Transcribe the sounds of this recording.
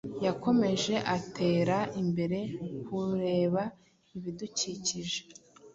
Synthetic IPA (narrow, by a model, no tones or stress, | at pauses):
jako̞me̞ʒe̞ʔatʰe̞ːɾaimbe̞ɾe̞kuɾe̞ːβa | iβiduciːciʒe̥